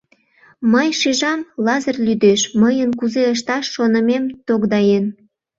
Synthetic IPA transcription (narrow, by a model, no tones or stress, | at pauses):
məjʃiʒɑmlɑzərlʲyd̪eʃməjənkuzeəʃ̬t̪ɑʃːonəmemt̪okd̪ɑjen